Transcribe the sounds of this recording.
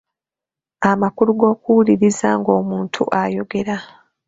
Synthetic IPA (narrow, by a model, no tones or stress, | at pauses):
amakuluɡo̞ːkuwuliɾizaŋɡo̞ːmuːntʰṵʔajo̞ɡe̞ɾa